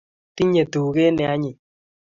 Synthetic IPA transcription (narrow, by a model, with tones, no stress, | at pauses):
ti˦ɲe˨tu˨ke˦nɛ˨a˦ɲɪ˨